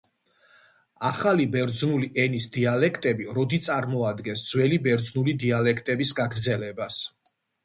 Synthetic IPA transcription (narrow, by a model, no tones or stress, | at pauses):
aχalibɛɾd̪znuliʔɛnisd̪ialɛkʰt̪ʼɛbiɾɔd̪it̪sʼaɾmɔad̪ɡɛnsd̪z̥wɛlibɛɾd̪znulid̪ialɛkʰt̪ʼɛbisɡaɡɾd̪zɛlɛbas